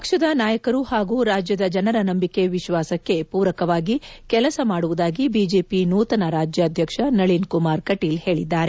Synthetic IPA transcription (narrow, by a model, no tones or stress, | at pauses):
ppɐkʂɐd̪ɐnaːjɐkɐɾuhaːɡuɾaːd͡ʒjɐd̪ɐd͡ʒɐnɐɾɐnɐmbike̞ʋiʃʋaːsɐkːe̞puːɾɐkɐʋaːɡikɛlɐsɐmaːɽuʋud̪aːɡibiːd͡ʒe̞ːpinuːt̪ɐnɐɾaːd͡ʒjɐːd̪ʱjɐkʂɐnɐɭinkumaːɾkɐʈiːlhe̞ːɭid̪ːaːɾe